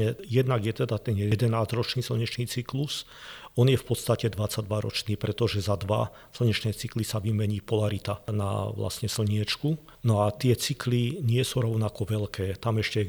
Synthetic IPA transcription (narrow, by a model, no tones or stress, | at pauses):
ɛjɛd̪naɡjɛt̪ɛd̪at̪ɛnjɛd̪ɛnaːzɾɔt͡ʃniːsl̩ɲɛt͡ʃniːt͡siklus | ɔnjɛfpɔt̪st̪acɛd̪ʋat͡saɟ̚d̪ʋaɾɔ̰t͡ʃniːpɾɛt̪ɔʒɛzad̪ʋa̰ | sl̩ɲɛt͡ʃnɛːt͡siklisaʋimɛɲiːpɔlaɾit̪ana̰ʋla̰sɲɛsl̩ɲɪɛt͡ʃku | nɔat̪ɪɛt͡sikliɲɪɛsuɾɔʊnakɔʋɛlkɛːt̪amɛʃcɛ